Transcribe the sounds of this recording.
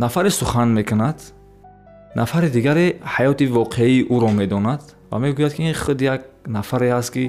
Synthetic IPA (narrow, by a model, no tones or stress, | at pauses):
nafaɾisuχanme̞kʰunad̪̥ | nʔafaɾid̪iɡaɾehajɔt̪ivɔqʰeiːʔuɾɔme̞d̪ɔnad̪va̰me̞ɡujad̪̚kʰiiχud̪ijaɡ̚nafaɾehast̪ki